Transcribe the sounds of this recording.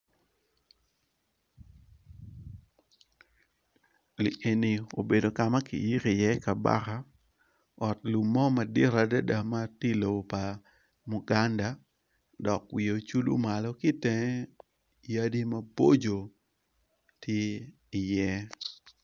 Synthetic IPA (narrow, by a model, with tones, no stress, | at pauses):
li˨ʔe˨ni˨o˨be˨do˨ka˨ma˦kḭ˨ji˦ki˨jɛ˦ka˨ba̰˦ka˦ | ɔ˨tlu˨mːɔ˦ma˨dɪ˦ɾa˨da˦da˨ma˦ti˦lo˨bo˨pa˨ | mu˨ɡa˦nda˨ | dɔ˨kwi˨o˨t͡ʃu˦lṵ˦ma˨lɔ˦ki˦tɛ˦ŋɛ˦ | ja˦di˦ma˦bo˦d͡ʒo˨ | tʰje˦ | i˨jɛ˦